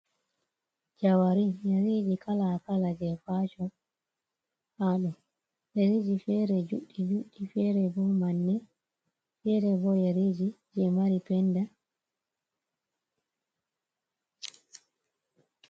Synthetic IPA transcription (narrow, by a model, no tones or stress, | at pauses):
d͡ʒawaɾijaɾiːd͡ʒikalakalad͡ʒɛfaːt͡ʃɔ | haɗɔ | jaɾid͡ʒifɛːɾɛd͡ʒuɗːid͡ʒuɗifɛːɾɛbɔmanːɛ | fɛɾɛbɔjaɾid͡ʒi | d͡ʒɛmaɾipɛnda